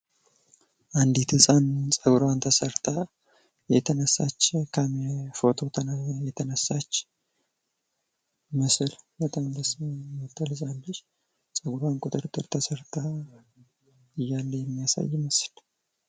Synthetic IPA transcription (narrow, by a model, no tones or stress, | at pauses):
ʔand̪it̪ʰɨsʼant͡sʼəɡɾant̪ʰəsəɾt̪ʰa | jɛt̪ʰənəsːa̰t͡ʃːkʰamfo̞t̪ʰo̞t̪ʰənjɛt̪ʰənəsːat͡ʃː | mɨsɨlbət̪ʼambəsmət̪ʰːəlzalːəʃ | sʼəɡɾankʼʊt̪ʼɨɾt̪ʼːɨɾt̪ʰəsəɾt̪ʰa | ɨjːalːəjɛmːijasa̰jːməsl